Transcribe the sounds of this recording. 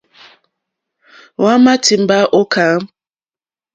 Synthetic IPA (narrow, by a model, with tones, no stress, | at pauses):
wa˦ma˦ti˨m̩˦ba˦ʔo˦ka˨˦